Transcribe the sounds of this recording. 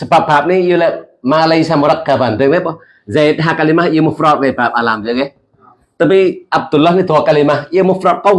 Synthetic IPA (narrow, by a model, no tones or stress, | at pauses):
səbap̚baːp̚nijəlɛʔmaːləjsamoɾak̚kabandəŋnɛɓɔ | zat̪̚ɦaːkalimahjəmofɾɔt̚kabaːp̚ʔaːlaːmzɨke | t̪əpiʔab̚d̪ulːɔhnit̪ʰukalimahjəmofɾɔt̚kɔw